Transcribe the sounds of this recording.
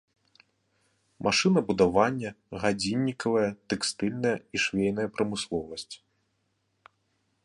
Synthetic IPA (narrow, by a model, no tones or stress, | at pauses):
mʔaʂɨnɐbud̪avanʲːɐ | ɣad͡zʲinʲːikɐvɐjɐt̪ɛkst̪ɨlʲnɐjɐiʂvʲejnɐjɐpɾɐmɨslˠɔvɐsʲt͡sʲ